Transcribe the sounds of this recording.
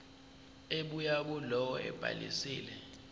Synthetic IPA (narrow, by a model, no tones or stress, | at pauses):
eɓujaɓulɔwɔɛ̰b̥ʱa̰lḭsiːlɛ